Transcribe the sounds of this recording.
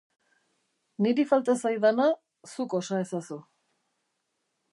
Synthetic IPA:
niɾifalt̪asajðana | suko̞sae̞sasu

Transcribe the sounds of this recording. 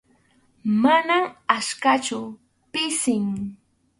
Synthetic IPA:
manamaʃkat͡ʃʊ | pɪsɪŋ

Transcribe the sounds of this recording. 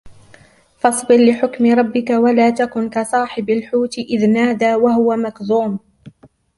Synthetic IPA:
fɑsˤbɪɾlɪħʊkmɪɾˤɑbːɪkawalaːt̪akʊnkasˤɑːħɪbalħuːt̪ʔɪðnaːd̪aːwahʊwamakzuːm

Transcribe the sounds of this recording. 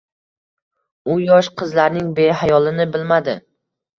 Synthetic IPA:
ʊjɒʃqʰɨzlaɾnɪŋbe̞ɦajɒlˠɪnɪbɪlmad̪ɪ

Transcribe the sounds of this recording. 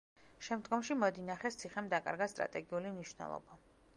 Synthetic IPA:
ʃɛmd̪ɡɔmʃimɔd̪inaχɛst̪sʰiχɛmd̪akʼa̰ɾɡast̪ʼɾa̰t̪ʼɛɡiulimniʃwnɛ̰lˠɔ̰ba

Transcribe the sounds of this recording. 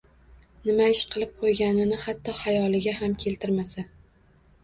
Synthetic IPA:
nɪmaɪʃqʰɨlˠɪp̚qʰojɡʲanɪnɪhat̪ʰːɒhajɒlˠɪɡʲaɦamkʲʰe̞lt̪ʰɪɾmasa

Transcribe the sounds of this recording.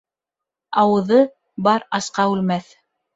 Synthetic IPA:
ɑwɤ̆ðɤ | bɑɾɑsqɑʉlmæθ

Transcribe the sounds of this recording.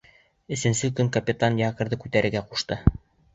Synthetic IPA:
ɘ̆sɘ̆nsɘkɵŋkɐpʲɪt̪anjɑkɤ̆ɾðɤkʉt̪æɾɘ̆ɾɡæquʃt̪ɤ

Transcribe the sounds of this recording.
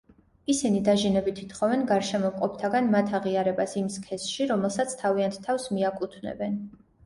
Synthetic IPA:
isinid̪aʒinɛbit̪ʰit̪χɔvɛnɡaɾʃɛmɔqʼɔp̚ʰt̪ʰaɡanmat̪ʰaʁiaɾɛbasimskʰɛsʃiɾɔmɛlˠsat̪sʰt̪ʰaviant̪ʰt̪ʰːafsmiakʼut̪ʰnɛ̰bɛn

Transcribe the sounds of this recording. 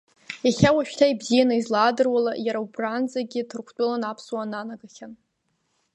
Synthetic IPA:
jaχʲawaʃᶣtʰaibzijanɨizlaːdɨrwalajaɾaubrand͡zaɡʲɪtʰɨrkʷʰt͡pʷʼʊlanapʰswananaɡaχʲan

